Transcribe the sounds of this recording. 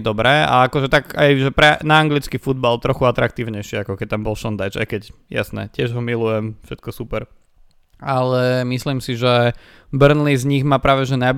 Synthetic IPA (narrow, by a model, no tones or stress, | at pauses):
d̪ɔbɾɛːa̰akɔʒɛt̪aɡajʒɛpɾɛnaːŋɡlit͡skifud̪̚balt̪ɾɔxuat̪ɾak̚t̪iːʊɲɛjʃɪɛakɔkɛc̚t̪ambɔlʃɔnd̪ajt͡ʃa̰jkɛcja̰snɛ̰cɪɛʒɦɔmilujɛmfʃɛt̪̚kɔsupɛɾ | alɛmislimsiʒɛ | brnlizɲiɣmaːpɾaːʋɛʒɛnaj